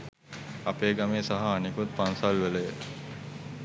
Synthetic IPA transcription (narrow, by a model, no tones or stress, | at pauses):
apeːɡameːsaɦaːnikut̪̚pansalʋeləjə